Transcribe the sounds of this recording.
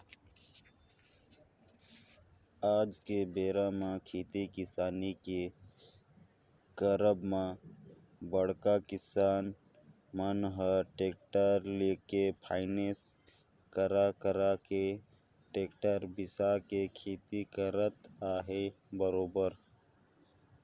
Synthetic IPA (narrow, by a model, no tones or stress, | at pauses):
aːd͡ʒkebeːɾamãkʰiːt̪ikɪsaːnike | kəɾəbmã | bəɽ̤kakɪsaːn | mənɦəʈeːk̚ʈəɾleːkepʰaːɪneːs | kəɾakəɾake | ʈeːkʈəɾbɪsakekʰiːt̪ikəɾət̪aːɦe | bəɾoːbəɾ